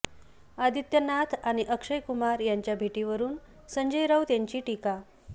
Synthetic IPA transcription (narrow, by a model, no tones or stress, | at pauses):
ad̪ʱit̪jənat̪ʰaɽ̃iʔəkʂəjkumaɾjaɲt͡ɕjabʱeʈiʋəɾuːn | səɲd͡ʑəjɾəwt̪jaɲt͡ɕiːʈika